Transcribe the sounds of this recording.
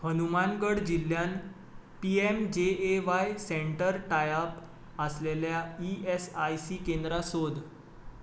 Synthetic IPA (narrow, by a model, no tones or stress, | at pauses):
hənumanɡəɽd͡ʑil̤ːjan | piemd͡ʑeːʋajseɳʈəɾʈajap | əsleljaiesajsikend̪ɾasod̪